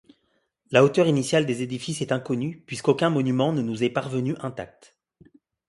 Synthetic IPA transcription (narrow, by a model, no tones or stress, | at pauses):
laot̪œʁinisjald̪ezed̪ifisɛt̪ɛ̃kɔnypɥiskokʲɛ̃mɔnymɑ̃nənuzɛpaʁvənyʔɛ̃t̪a̰k̚t̪